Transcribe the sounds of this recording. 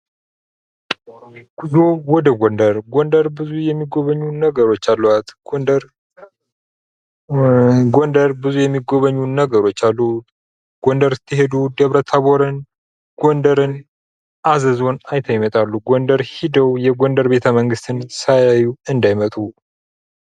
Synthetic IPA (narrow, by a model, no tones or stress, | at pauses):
ɡɨzuwɔd̪əɡond̪əɾɡond̪əɾbɨzujɛmːiɡo̞βəɲːunəɡəɾo̞t͡ʃːalːuat̪ɾ | ɡond̪əɾbɨzujɛmːiɡo̞βəɲːunəɡəɾo̞t͡ʃːalːu | ɡ̥ond̪əɾt̪ʰːɨɦe̞d̪ud̪əβɾət̪ʰːaβoɾɨn | ɡ̥ond̪əɾɨn | ʔazəzo̞najt̪ʰajmət̪ʼalːuɡond̪əɾhid̪əwjɛɡond̪əɾbe̞t̪ʰəməŋɡɨst̪ʰɨnsajajuɨnd̪ajmət̪ʼu